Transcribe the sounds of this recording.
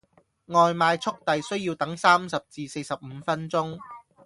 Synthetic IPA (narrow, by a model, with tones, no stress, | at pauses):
ŋɔː˨jmaː˧jt͡sʰʊ˥k̚t̪ɐ˨jsɵ˥ɥjiː˧wt̪ɐ˨˥ŋsaː˥msɐ˨p̚t͡siː˨se˧jsɐ˨p̚m̩ː˨˧fɐ˥nt͡sʊ˥ŋ